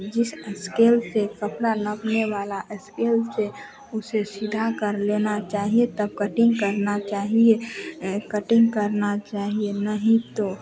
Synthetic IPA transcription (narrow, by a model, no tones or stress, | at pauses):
d͡ʒɪsəskeːlsekəpɽanəpneʋaːlaʔəskeːlse | ʊsesɪd̪ʱakəɾleːnat͡ʃaːɦiet̪əb̚kəʈɪ̃ŋɡkəɾnat͡ʃaːɦiekəʈɪ̃ŋɡkəɾnat͡ʃaːɦienəɦĩt̪o